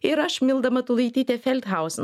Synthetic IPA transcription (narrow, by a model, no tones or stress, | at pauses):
ɪɾɐʃmʲɪlˠd̪ɐmɐt̪ʊlˠɐjt̪ʲit̪ʲɛfʲɛlʲt̪ɦaʊsn